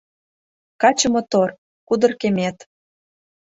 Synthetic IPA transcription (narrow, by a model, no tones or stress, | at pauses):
kɑt͡ɕə̆mot̪or | kud̪ɤ̆rkemʲet̪